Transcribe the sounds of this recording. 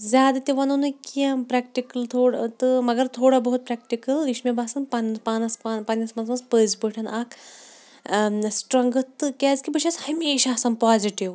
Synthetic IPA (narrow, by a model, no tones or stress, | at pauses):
zʲjaːd̪at̪iʋɐnunɨkiɐmpɾɛk̚ʈikɐlt̪ʰoːɽt̪ɨmɐɡɐɾt̪ʰoːɽabɐɦut̪̚pɾɛk̚ʈikɐlʋiʃmebʱaːsɐnpɐnpanɐspapɐnʲjɐsmɐnzmɐnzpəːzbəʈʰɐnak | sʈɾɐ̃ŋɡɐt̪ɨkʲaːzkʲibəʃʰashɐmeːʃaɐsaːnpaːziʈiʋ